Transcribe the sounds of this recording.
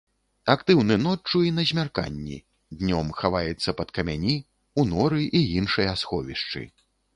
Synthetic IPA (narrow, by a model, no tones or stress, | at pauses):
akt̪ɨwnɨnɔt͡ʂːuinɐzʲmʲarka̰nʲːḭ | d̪ʲnʲɔmxavajɛt̪sːɐpɐt̪kɐmʲanʲi | unɔɾɨʔiinʂɐjasxɔvʲiʂt͡ʂɨ̰